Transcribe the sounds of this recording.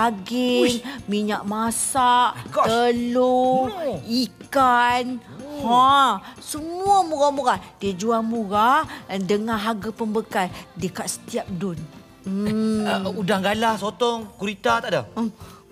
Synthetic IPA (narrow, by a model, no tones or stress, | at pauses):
aɡɪŋmiɲaʔmasaʔəlo | ikan | hasəmuamuɾamuɾadiəd͡ʒuamuɣandəŋãnɦaɡapəmbəkasdiəkaʔsə̥t̪iap̚dʊn̩ | udaŋɡalahsot̪ɔŋkuɾit̪at̪aʔda